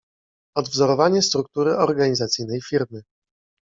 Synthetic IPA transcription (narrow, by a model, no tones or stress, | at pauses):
ɔd̪vzɔɾɔvaɲɛst̪ɾuk̚t̪uɾɘʔɔɾɡaɲizat̪sɘjnɛjfʲiɾmɘ